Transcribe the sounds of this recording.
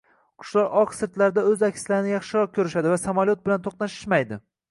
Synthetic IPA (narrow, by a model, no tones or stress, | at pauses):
qʰʊ̥ʃlˠɒɾɒqsɪɾt̪laɾɪd̪aɵzakʲʰslaɾɪnɪjɑχʃɪɾɒq̚kʲʰɵɾɪʃad̪ɪvasamaljot̪̚bɪlant̪ʰoqnaʃɪ̥ʃmajd̪ɪ